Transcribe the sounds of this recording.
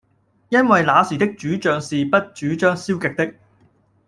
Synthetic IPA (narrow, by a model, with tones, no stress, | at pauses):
jɐ˥nwɐ˨jlaː˨˧siː˨˩t̪ɪ˥k̚t͡ʃyː˨˥t͡ʃœː˨ŋsiː˨pɐ˥t̚t͡ʃyː˨˥t͡ʃœː˥ŋsiː˥wkɪ˨k̚t̪ɪ˥k̚